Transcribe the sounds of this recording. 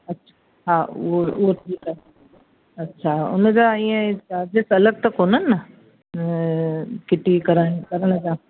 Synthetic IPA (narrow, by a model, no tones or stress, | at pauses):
ɐtːɕʰḁ | ɦaːoʊɦoʈʰiːkɛ | ɐtːɕʰaʊ̰nəd͡ʑaĩẽaːbesɐləɡ̚t̪ɐkoːnənːɐ | kɪʈikɐɾaːĩkɐɾəɽ̃əd͡ʑaː